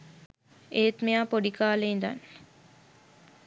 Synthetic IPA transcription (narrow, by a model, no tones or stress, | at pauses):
eːt̪mejaːpoɖikaːleind̪a̰n